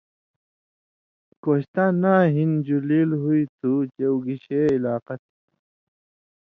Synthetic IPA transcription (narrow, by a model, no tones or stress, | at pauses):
koɕt̪anaɦind͡ʑuliːlɦuit̪ʰut͡ɕewɡiɕeilaːqat̪ʰi̥